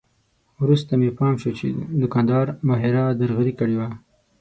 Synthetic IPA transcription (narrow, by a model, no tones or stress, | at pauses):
wɾust̪amepɑːmʃot͡ʃḛd̪ʊkɑnd̪ɑːɾmɑɦeɾɑd̪aɾɣaɾikəɽewa